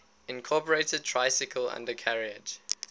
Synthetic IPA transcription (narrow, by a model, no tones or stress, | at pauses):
ɪ̃nkʰɔˑpəɹetəd̚tʰɹ̥aɪsɪkʰəlã̰ndəkʰæɹiəd͡ʒ